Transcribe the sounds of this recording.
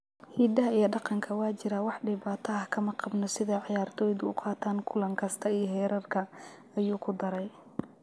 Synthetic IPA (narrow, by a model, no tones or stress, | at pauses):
hiːd̪ɐɦɐijɐɖɑqɑŋkʰɐwɑːt͡ʃɪɾɐwɑħɖɪβaːt̪ʰɐɐkʰɐmɐqɑbnɔsɪðɐʕɪjaːrt̪ʰɔːjðʊʊ̰qʰɑːt̪ʰaːŋkʰʊlɐŋkʰɐst̪ʰɐijɔɦɛːɾɐrkʰɐ | ɐjuːkʰʊd̪ɐɾɛj